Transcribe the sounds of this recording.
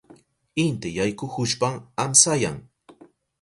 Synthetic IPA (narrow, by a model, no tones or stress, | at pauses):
ɪnt̪ejajkʊhʊʃpaŋamsaja̰ŋ